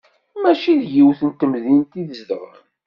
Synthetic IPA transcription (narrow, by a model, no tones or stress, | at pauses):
mæʃiðjiwθənt̪əmðint̪iðəzd̪əʁə̰ɾ